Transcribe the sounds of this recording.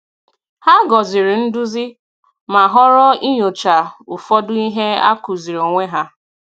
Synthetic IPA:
ha˦ɡɔ˨zɪ˨ɾɪ˨n̩˦dʊ˦zɪ˦ | ma˨ɦɔ˦ɾɔ˦i˦ɲo˨t͡ʃa˨ʊ˨fɔ˦dʊ˦i˦ɦe˦a̰˦ku˨zi˨ɾo˨ŋʷe˦ɦa˦

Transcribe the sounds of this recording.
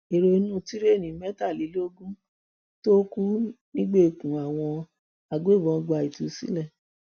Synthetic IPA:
e˨ɾo˧i˧˦nũ˦˨ti˦ɾe˦˨nĩ˨˦mɛ˦ta˦˨li˨˦lo˦ɡũ˦ | to˦ku˦nĩ˦ɡ͡be˦˨kũ˨a˨w̃ɔ̃˧ | a˨ɡo˦˨bɔ̃˧ɡ͡ba˧˨i˨tu˨˦sḭ̃˦lɛ˦˨

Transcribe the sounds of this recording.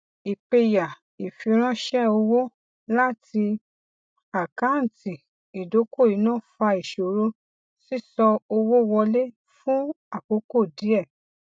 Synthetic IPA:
i˨k͡pe˧ja˨ | i˨fi˧ɾ̃ã˦ʃɛ˦o˧wo˦ | la˦tʰi˧ | a˨ka˨˦n̩˨ti˨ | i˨do˨˦ko˦˨i˨˦nãː˦˨fa˧i˨ʃo˨ɾo˧ | si˦sɔ˧o˧wo˦˧wɔ˧le˦ | fũ˦ | a˦˨ko˨˦ko˦˨di˨˦ɛ˦˨

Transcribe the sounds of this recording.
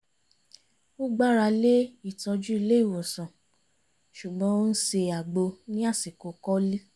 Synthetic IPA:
o˦ɡ͡ba˦˨ɾa˧le˦i˦˨tɔ˧d͡ʒu˦i˧le˦i˦˨wɔ˨sɔ̃˨ | ʃu˨ɡ͡bɔ̃˦o˦n̩˦se˧a˨ɡ͡bo˧nĩ˦a˦˨si˨ko˨˦kɔ˦li˦

